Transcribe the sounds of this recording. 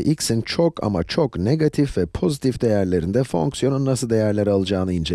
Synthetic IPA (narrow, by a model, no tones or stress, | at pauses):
ʔicsint͡ʃʰokʰa̰ma̰t͡ʃʰokne̞ɡat̪ʰifvɛpʰo̞zit̪ʰifd̪e̞jæɾlʲe̞ɾind̪ɛfo̞̰ŋksjo̞nunːasɯlˠd̪ejæɾlʲeɾialˠɯd͡ʒaːnɯind͡ʒe